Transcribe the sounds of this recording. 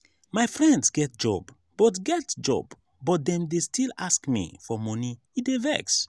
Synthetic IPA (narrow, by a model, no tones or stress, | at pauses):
majfɹɛ̃ndsɡɛt̚d͡ʒɔ̰b | b̥ɔtɡɛtd͡ʒɔ̰bː | ɔt̚dɛ̃mdestʰilaskmḭfɔmɔni | idevɛ̰ks